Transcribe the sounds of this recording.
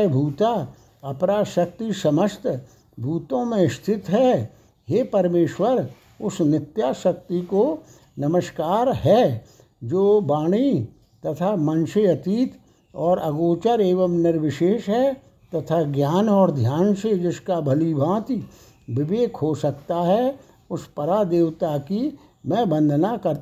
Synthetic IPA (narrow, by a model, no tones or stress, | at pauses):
bʱuːt̪a | ɐpɾaːʃək̚t̪isɐməst̪ | bʱuːt̪õmẽɪst̪ʰɪt̪ɦɛ | ɦepɐɾmeːʃwəɾ | ʊsnɪt̪jaːʃək̚t̪iko | nɐməʃkaːɾɦɛ | d͡ʒoːbaːɽ̃i | t̪ɐt̪ʰamɐ̃nʃeɐt̪iːt̪ | ɔːɾʔɐɡoːt͡ʃəɾeːʋəmnɪɾʋɪʃeːʃɦɛ | t̪ɐt̪ʰaɡjaːnɔːɾd̪ʱjaːnsed͡ʒɪskabʱɐlibʱãːt̪i | ʋɪʋeːkʰɦosɐkt̪aɦɛ | ʊspɐɾad̪eːwt̪aki | mɛ̃ːbə̃nd̪ʱnakɐɾ